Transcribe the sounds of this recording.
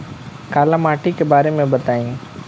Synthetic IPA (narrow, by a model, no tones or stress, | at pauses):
kaːlamaːʈikebaːɾemẽbɐt̪aːĩː